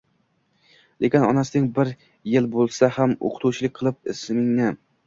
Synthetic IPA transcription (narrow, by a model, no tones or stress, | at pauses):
lʔekʲɪnɒ̰nasɪnɪŋbɪɾ | jɪlbolˠsahamo̰qʰɨ̥t̪ʰuwt͡ʃʰɪlɪk̚ʲqʰɨlˠɪp̚ɪsmɪŋnɪ